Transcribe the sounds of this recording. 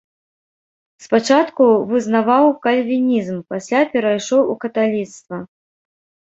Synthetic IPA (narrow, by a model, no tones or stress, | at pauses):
spat͡ʂat̪kuvɨznavawkɐlʲvʲinʲizmpasʲlʲapʲɛɾajʂɔwukɐt̪alʲit̪st̪vɐ